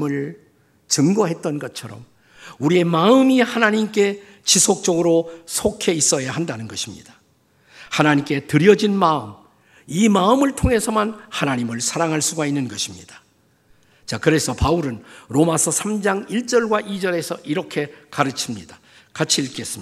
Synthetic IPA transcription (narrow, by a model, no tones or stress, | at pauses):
mɯɭ | t͡ɕɯŋɡʌɦe̞t̚t͈ʌnɡʌtt͡ɕʰʌɾʌ̰m | uɾie̞maɯmihanaɲimk͈e̞ | t͡ɕisʰok̚t͡ɕ͈ʌɡɯɾosʰokʰe̞is͈ʌjahandanɯnɡʌɕʰimɲḭdḁ | hanaɲimk͈e̞tɯɾjʌd͡ʑinmaɯm | imaɯmɯɭtʰoŋe̞sʰʌmanhanaɲimɯɭsʰaɾaŋɦaɭs͈uɡainːɯnɡʌɕʰimɲḭdḁ | t͡ɕakɯɾe̞sʰʌpauɾɯnɾomasʰʌsʰamd͡ʑaŋiɭt͡ɕ͈ʌɭɡwaʔid͡ʑʌɾe̞sʰʌʔiɾʌkʰe̞kaɾɯt͡ɕʰimɲida | kat͡ɕʰiːɭk͈e̞s͈ɯm